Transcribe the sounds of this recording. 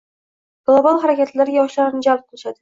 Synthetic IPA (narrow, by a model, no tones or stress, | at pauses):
ɡ̥lˠobɑlˠχaɾakʲat̪laɾjɑʃlaɾɪnɪd͡ʒalˠp̚qʰɨlˠɪʃad̪ɪ